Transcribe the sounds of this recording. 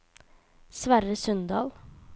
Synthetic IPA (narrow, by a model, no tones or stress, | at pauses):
sʋæɾəsœnd̪ɑ̰ːl